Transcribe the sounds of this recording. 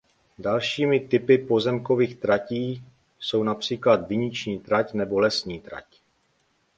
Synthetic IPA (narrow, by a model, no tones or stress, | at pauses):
dalʃiːmɪt̪ɪpɪpo̞zɛmko̞viːxt̪ɾaciː | so̞wnapr̝̥iːklad̪vɪɲɪt͡ʃɲiːt̪ɾacnɛbo̞lɛsɲiːt̪ɾa̰c